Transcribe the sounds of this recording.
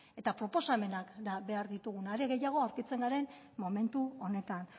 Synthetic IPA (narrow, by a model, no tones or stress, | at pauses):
e̞t̪apɾo̞po̞same̞nakd̪aβe̞aɾðit̪uɣ̞unaɾe̞ɣe̞jaɣ̞o̞awɾkit͡se̞ŋɡaɾe̞n | mo̞me̞nt̪uo̞ne̞t̪an